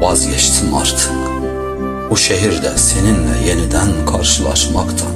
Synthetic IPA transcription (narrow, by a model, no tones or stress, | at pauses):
bɑzjɛʃt̪ʰɨnɑ̰ɾt̪ʰɯ̥k | uʃɛɦiɾd̪ɛseninlɛ̰jɛnid̪ænkʰɑɾʃɨlˠɑ̰ʃmɑkt̪ʰɑn